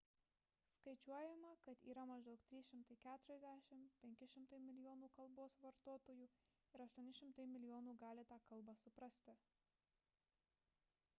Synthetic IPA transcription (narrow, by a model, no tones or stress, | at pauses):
skɐɪt͡ʃʲuɔjɛmɐkɐt̪ḭːɾɐmɐʒd̪ɐʊkt̪ʲɾʲiːsʃʲɪmt̪ɐɪkʲæːt̪ʊɾʲɛzʲd̪ʲæʃʲɪmpʲɛŋʲkʲɪʃʲɪmt̪ɐɪmʲɪlʲɪjoːnuːkɐlˠboːsʋɐɾt̪oːt̪oːjuː | ɪɾɐʃt̪uɔnʲɪʃʲɪmt̪ɐɪmʲɪlʲɪjoːnuːɡɑːlʲɪt̪ɑːkɐlˠbɑsʊpɾɐsʲt̪ʲɪ